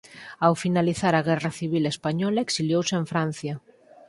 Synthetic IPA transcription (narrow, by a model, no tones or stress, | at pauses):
awfinaliθaɾaɣɛraθiβ̞ilespaɲɔlaeksiljowseɱfɾan̟θja